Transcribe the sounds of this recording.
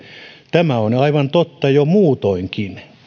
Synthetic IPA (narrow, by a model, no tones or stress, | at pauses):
t̪æmæonɑiʋɑnt̪ot̪ːɑjomuːt̪oiŋkin